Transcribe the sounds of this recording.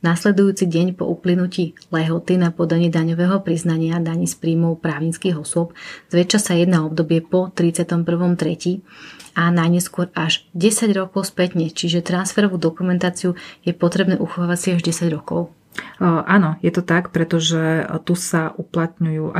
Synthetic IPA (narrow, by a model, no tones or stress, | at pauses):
naslɛd̪ujuːt͡siɟɛɲpɔ̰ʔuplinuciːlɛɦɔt̪inapɔd̪aɲiːd̪aɲɔʋɛːɦɔpɾiznaɲɪad̪aɲiːspɾiːmɔʊpɾaːʊɲit͡skiːɣɔsʊɔpz̥ʋɛt͡ʃasajɛd̪naɔb̚d̪ɔbɪɛpɔt̪ɾit͡sɪat̪ɔmpr̩ʋɔmt̪ɾɛcianajɲɛskʊɔɾaʒɟɛsaɟɾɔkɔʊspɛt̪ɲɛt͡ʃiʒɛt̪ɾansfɛɾɔʋuːd̪ɔkumɛnt̪aːt͡siujɛpɔt̪ɾɛbnɛːʔuxɔʋaːʋacsiaʒɟɛsaɟɾɔkɔʊ | ʔanɔjɛt̪ɔt̪akpɾɛt̪ɔʒɛt̪usaʔuplat̪ɲujuːa